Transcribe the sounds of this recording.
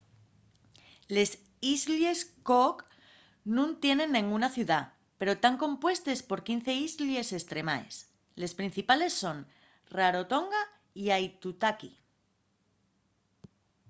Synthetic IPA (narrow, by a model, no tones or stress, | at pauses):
le̞s | izlje̞skok | nũnt̪je̞nẽ̞nːẽŋɡunaθjuða | pe̞ɾo̞t̪aŋkõ̞mpwe̞st̪e̞spo̞ɾkin̟θe̞izlje̞se̞st̪ɾe̞ma̰ḛs | le̞spɾin̟θipale̞sːo̞n | raɾo̞t̪o̞ŋɡa | iajt̪ut̪aki